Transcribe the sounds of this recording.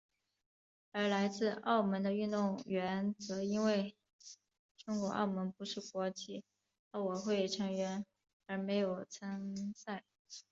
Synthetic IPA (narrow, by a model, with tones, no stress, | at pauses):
ə˞˧˥la˧˥ɪt͡sɹ̩˥˧ɑ̰˥˩ʊmə˧˥nd̪ə˧y˥˧nt̪ʊ˥˩ŋɥɛ˧˥nt͡sɤ˧˥i˥nwe˥˩ɪ | ʈ͡ʂʊ˥ŋkwɔ̰˧˥ʔɑ̰˥˩ʊmə˧˥npu˧˥ʂɻ̩˥˩kwɔ˧˥t͡ɕʰi˥˩ | ə˧˥wɔ˨˩xwe˥˩ɪʈ͡ʂʰɤ˧˥ŋɥɛ˧˥n | ə˞˧˥me˧˥ɪjo˨˩ʊt͡sʰə˥ŋsa˥˩ɪ